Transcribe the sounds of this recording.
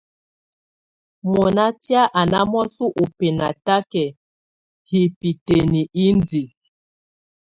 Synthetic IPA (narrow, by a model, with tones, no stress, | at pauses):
mɔ˨na˦tja˦ʔa˨na˦mɔ˦su˦ʔo˨pe˨na˨ta˦kɛ˨ | hi˨pi˨te˨ni˨ʔi˦ndi˨